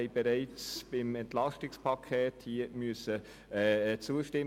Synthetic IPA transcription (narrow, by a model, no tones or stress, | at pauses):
ɛɪb̥ɛɾɛɪt͡sb̥ɪmɛnt̪lɑʃtɪkspʰɑkʰeːthiəmyəsə | ɛt͡suəʃtɪ